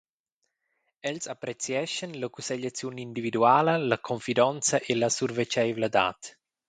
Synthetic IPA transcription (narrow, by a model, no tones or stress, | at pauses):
ɛlsapɾet͡sjɛʃənləkuseʎat͡sjunind̪ivid̪uaːləlɐkʰoɱfid̪ɔnt͡sɐʔelasurvet͡ʃɛjvləd̪a̰ːt̪